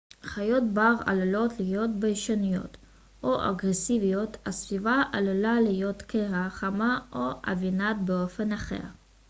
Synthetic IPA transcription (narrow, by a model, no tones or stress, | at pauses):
χajo̞tbaʁa̰lulo̞tlijo̞tbejʃanijo̞̰t̪ | ʔoʔa̰ɡʁesivijo̞tasvivaʔalulalijo̞tkeaχamaʔoa̰vinat̪̚beo̞fe̞naχe̞̰ʁ